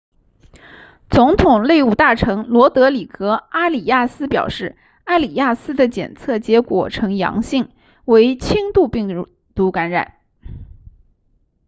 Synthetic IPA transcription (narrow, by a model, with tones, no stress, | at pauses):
t͡sʊ˧˥ŋt̪ʰʊ˨˩ŋle˥˩ɪu˨˩t̪a˥˩ʈ͡ʂʰɤ˧˥ŋlwɔ˧˥t̪ɤ˧˥li˨˩kɤ˧˥a˥li˨˩ja˥˩sɹ̩˥pjɑ̰˨˩ʊʂɻ̩˥˩ | a˥˩ɪli˨˩ja˥˩sɹ̩˥d̪ə˨t͡ɕjɛ̰˨˩nt͡sʰɤ˥˩t͡ɕjɛ˧˥kwɔ̰˨˩ʈ͡ʂʰɤ˧˥ŋjɑ̰˧˥ŋɕi˥˩ŋ | we˧˥ɪt͡ɕʰi˥ŋt̪u˥˧pi˥˩ŋ | t̪u˧˥ka˧˥nɻa̰˨˩˦n